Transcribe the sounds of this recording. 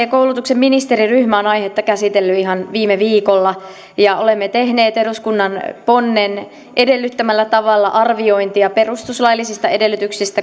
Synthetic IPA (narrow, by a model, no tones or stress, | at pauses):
ekowlut̪uksemminist̪eɾiryhmæonɑihet̪ːɑkæsit̪elːyiɦɑnʋiːmeʋiːkolːɑ | jɑʔolemːet̪ehneːt̪eɾuskunːɑnponːen | ʔedelːyt̪ːæmælːæt̪ɑʋɑlːɑʔɑrʋio̞int̪iɑperust̪uslɑjlːisist̪ɑedelːyt̪yksist̪æ